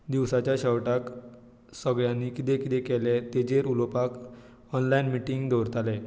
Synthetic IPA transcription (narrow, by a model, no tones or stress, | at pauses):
d̪iʋsat͡ɕjaɕəwʈak | səɡɭjanːikit̪ɛ̃kit̪ɛkɛlet̪ed͡ʑeɾulopak | ɔnlajinmiʈiŋɡd̪oɾt̪ale